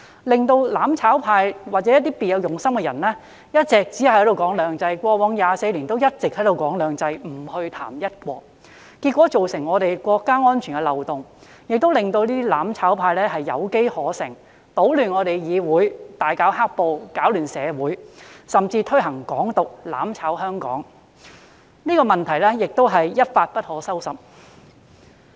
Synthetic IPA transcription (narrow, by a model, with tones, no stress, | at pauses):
lɪ˨ŋt̪o˧wlaː˨˥mt͡sʰaː˨˥wpʰaː˧jwaː˨t͡sɛ˨˦jɐ˥t̪̬̚iː˥piː˨˩jɐ˨˧wjʊ˨˩ŋsɐ˥mkɛ˧jɐ˨˩nlɛː˥ | jɐ˥t̚t͡sɛː˨k̚t͡si˨˥hhɐ˨˥jɾo˨˧wkɔː˨˥ŋlœː˨˧ŋt͡sɐ˧jkʷɔː˧wɔː˨˧˥ŋjaː˨˧se˧jliː˨˩nt̪o˥wjɐ˥t̚t͡sɪ˨k̚hɐ˨˥jt̪o˨˧wkɔː˨˥ŋlœː˨˧ŋt͡sɐ˧jm̩˨˩hɵ˧ɥt̪ʰa̰ː˨˩mjɐ˥t̚kʷɔː˧k̚ | kiː˧t̚kʷːwɔː˨˥t͡so˨wsɪ˨˩ŋːɔː˨˧ɾe˨jkʷɔː˧kːaː˥ŋɔː˥nt͡ʃʰy˨˩nkɛ˧lɐ˨wt̪ʊ˨ŋ | jɪ˨k̚t̪o˥wlɪ˨ŋt̪o˧wliː˥t̪i˥laː˨˥mt͡sʰaː˨˥wpʰaː˧jlɛː˥ɦɐ˨jːɐ˨˧wke˥jhɔː˨˥sɪ̰˨˩ŋ | po˨˥wlyː˨nŋɔː˨˧ɾe˨jjiː˨˧wuː˨˥jt̪aː˨˩jkaː˨˥wɦaː˥k̚po˨˧wkaː˨˥wlyː˨˩nsɛː˨˧wuː˨˥jsɐ˨mt͡siː˧t̪ʰɵ˥ɦɐ˨˩ŋkɔː˨˥ŋt̪ʊ˨k̚la̰ː˨˥mt͡sʰaː˨˥wɦœː˥ŋkɔ̰ː˨˥ŋ | niː˥kɔː˧mɐ˨nt̪ʰɐ˨˩jlɛː˥jɪ˨k̚t̪o˥wɦɐ˨jːɐ˥t̚faː˧t̚pɐ˥t̚hɔː˨˥sɐ˥wsɐ˨p̚